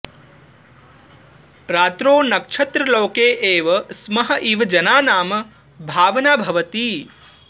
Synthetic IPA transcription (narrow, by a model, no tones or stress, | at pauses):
ɾaːt̪ɾoːnɐkʂʰɐt̪ɾɐloːkeːʔeːʋɐsmɐɦɐ̆ʔiʋɐd͡ʒɐnaːnaːmɐ | bʱaːʋɐnaːbʱɐʋɐt̪iː